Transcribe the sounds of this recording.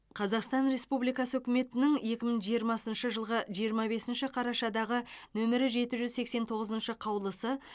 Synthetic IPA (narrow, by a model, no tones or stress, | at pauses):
qʰɑzɑqst̪ɑnɾe̞spublijkɑsəɵkʲɪme̞t̪ɪnɪŋe̞kʲɪmɪɪŋʒijəɾmɑsənʃəʒəlˠʁəʒijəɾmɑbe̞sɪnʃɪqʰɑɾɑʃɑd̪ɑʁənɵmɪɾɪʒe̞t̪ɪʒʏzse̞kse̞nt̪ʰo̞ʁəzənʃəqʰɑwlˠəsə